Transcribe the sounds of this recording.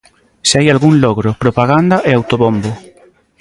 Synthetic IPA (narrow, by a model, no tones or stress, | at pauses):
seajalɣuŋloɣɾopɾopaɣ̞and̪aʔeawt̪oβombo